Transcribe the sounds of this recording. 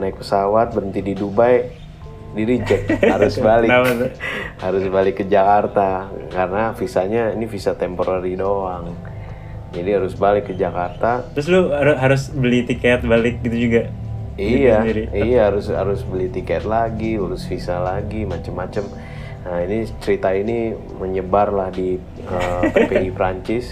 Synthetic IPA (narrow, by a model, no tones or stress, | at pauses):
naɪk̚pəsawat̪̚bəɾənt̪ididubaj | diɾid͡ʒəkhaɾʊsbalɪaahaɾʊsbalɪkːəd͡ʒakart̪akaɾənafisaɲainifisat̪ɛmpoɾʔaɾidoaŋ | d͡ʒadiɦaɾʊsbalɪkːəd͡ʒakart̪at̪ɾʊs̬lʊaɾʊɦaɾʊsbəlit̪ikɛt̪̚balɪk̚ɡit̪ud͡ʒuɡa | ijaiɾiijaɦaɾʊsha̰ɾʊsbəlit̪ikɛt̪̚laɡiuɾʊsfisalaɡimat͡ʃəmːat͡ʃəm | əinit͡ʃəɾit̪aini | məɲəbarlahdi | əp̪epeipɾaɲt͡ʃɪs